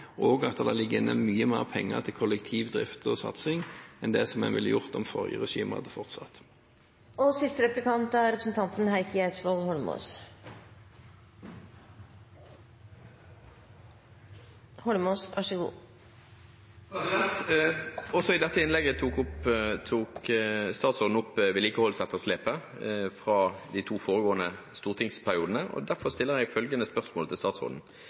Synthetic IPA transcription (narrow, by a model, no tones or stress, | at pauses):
ʔoːɡɑt̪ːəd̪ɑːlɪɡːəɪnːəmyːəmæːʁpʰɛŋːə̰t̪ʰɪlkʰɔlːɛkt̪ʰiːʋd̪ʁɪ̰ft̪əɔsɑ̰t̪sɪŋɛnd̪ɛsɔmɛ̰nʋɪlːəjʊʁt̪ɔmfɔʁjə̰ʁɛʃiːməʁɑ̰d̪əfɔʁt̪sɑt̪ | ɔsɪst̪əɾɛplɪkʰɑnt̪æɾɛpɾəsn̩t̪ʰɑnt̪nhæɪkəæt̪sʋɔld̪hɔlmṵs | hɔlmoːsæʂɛɡṵː | p̪ɛnt̪ | ɔsɔɪd̪ɛt̪ːəɪnlɛɡət̪ʰuːkʊpt̪ʰuːkst̪ɑːt̪sɔʁd̪n̩ʊpːʋɛːliːkəhɔlsɛt̪ːəʁsleːpə | fʁɑːd̪iɪt̪ʰuːfoːʁəɡoːənə | st̪uːʁt̪ʰɪŋspʰæɾɪuːd̪n̩əʔɔ̰d̪æʁfɔʁst̪ɪlːəʁɛɡfœlɡənəspœʁsmoːlət̪ʰɪlst̪ɑːt̪sɔ̰ʁd̪n̩